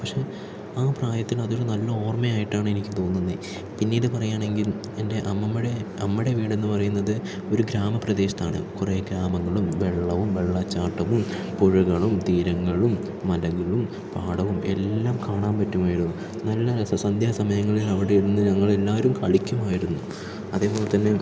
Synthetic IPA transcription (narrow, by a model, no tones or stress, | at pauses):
pɐkʂe̞ | aːpraːjɐt̪ːilɐðo̞ɾunɐlːɐo̞ːrmɐjaːjiʈːaːɳɨenikʲːɨt̪o̞ːnːunːɨ | pinːiːɽɨpɐrɐjaːɳe̞ŋɡil | ende̞ʔɐmmːɐɽeɐmːiɽe̞ʋiːɽenːɨpɐrɐjunːɐðɨ | o̞ɾuɡɾaːmɐprɐd̪eːɕɐt̪aːɳɨ̰kureːɡɾaːmɐŋːɐɭumʋe̞ɭːɐʋumʋe̞ɭːɐt͡ɕːaːʈːɐʋum | poɻuɣɐɭumt̪iːɾɐŋːɐɭumː | ɐlɐɣɐɭum | paːɽɐʋume̞̰lːaːmkaːɳaːmpɐtːumaːjiɾunːu | nɐlːɐsɐnd̪ʱjɐɐsɐmɐjɐŋːɐɭilɐʋiɽe̞iɽunːɨɲɐŋːɐɭe̞lːaːɾumkɐɭikʲːumaːjiɾunːu | ɐðe̞ːpo̞ːlet̪ːɐnːe̞